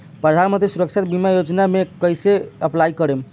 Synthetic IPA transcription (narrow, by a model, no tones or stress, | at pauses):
pɾəd̪ʱanmənt̪ɾisuɾəkt͡ʃʰat̪bimajod͡ʒnamekəjseəplajkəɾem